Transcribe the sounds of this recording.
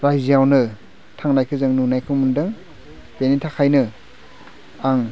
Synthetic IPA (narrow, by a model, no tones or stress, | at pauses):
ɾajzijawnɯ | tʰaŋnajkʰɯzɯŋnunajkʰɯŋmɯndɯŋ | b̥enitʰakʰajnɯ | aŋ